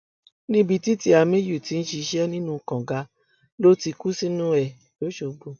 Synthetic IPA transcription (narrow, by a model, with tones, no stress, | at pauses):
nĩ˦bi˧ti˦ti˦a˧mẽ˦ju˦˨ti˨˧n̩˦ʃi˧ʃɛ˦nĩ˦nũ˦˨kã˨ɡa˨˧ | lo˦ti˧ku˦si˦nũ˦ɛ˨ | jo˨˦ʃo˧bo˨